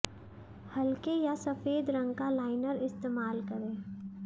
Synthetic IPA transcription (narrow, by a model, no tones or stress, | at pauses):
hɐlkejasɐfeːd̪ɾə̃ŋɡkalaːɪnəɾɪst̪eːmaːlkɐɾẽː